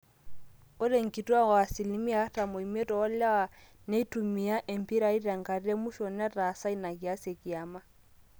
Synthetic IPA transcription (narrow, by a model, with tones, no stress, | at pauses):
ʊ˦le˨ŋ̩˨kʼi˨tu˦a˦ɣwa˨si˨li˨˦mi˦a˦ta˨mo˨i˨me˦tɔ˨ɔ˦la˦wa˨ | ne˦i˦tʼu˨mi˨a˦ʔe˨m̩˨pi˦ɾa˨˦i˦ɾa˨ŋ̩˨ka˨ri˦e˦mu˦ʃɔ˨nɛ˦ra˨sa˦i˦na˨ki˨a˦se˨kʼi˨a˨ma˦